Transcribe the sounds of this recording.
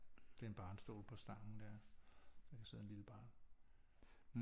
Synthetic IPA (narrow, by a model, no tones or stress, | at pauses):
d̥e̝enb̥ɑ̈ːnsd̥o̝̰ːlpʰɒ̽sd̥ɑ̈ŋn̩d̥æɐ̰sɒkʰæse̝ð̰ˠmenliləb̥ɑ̈ːn